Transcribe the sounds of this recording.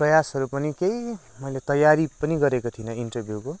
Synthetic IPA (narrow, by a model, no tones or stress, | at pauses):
prʌjasɦʌɾupʌnikejimʌjlet̪ʌjaɾipʌniɡʌɾekot̪ʰinʌinʈʌrbʱjuko